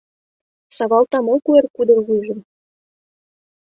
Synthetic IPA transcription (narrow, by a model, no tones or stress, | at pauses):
sɑβɑlt̪ɑmokuerkud̪ɤ̆rɣuʒɤ̆m